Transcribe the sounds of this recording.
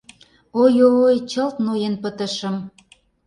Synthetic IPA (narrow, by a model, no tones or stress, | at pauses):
ojolojt͡ɕəlt̪nojenpə̆t̪ə̆ʃə̆m